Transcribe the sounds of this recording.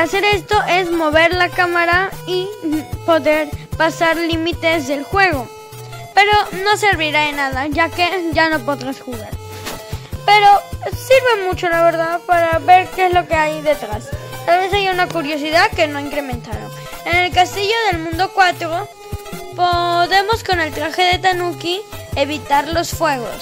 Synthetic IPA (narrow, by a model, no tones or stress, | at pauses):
ase̞ɾe̞st̪o̞ʔe̞zmo̞β̞e̞ɾlakamaɾaipo̞ðe̞ɾpasaɾlimit̪e̞zðe̞lxwe̞ɣ̞o̞ | pe̞ɾo̞no̞se̞ɾβiɾaðenaðaʝake̞ʝano̞po̞ðɾasxuɣaɾ | pe̞ɾo̞siɾβe̞mut͡ʃo̞laβe̞ɾðaðpaɾaβe̞ɾkezlo̞keajðe̞t̪ɾast̪alβe̞sajaunakuɾjo̞s̬iðaðke̞no̞iŋkɾemẽnt̪aɾo̰ | ene̞lkast̪iʝo̞ðe̞lmũnd̪o̞kwat̪ɾo | poðe̞mo̞sko̞ne̞lt̪ɾaxe̞ðe̞t̪anukieβit̪aɾlo̞sfwe̞ɣo̰s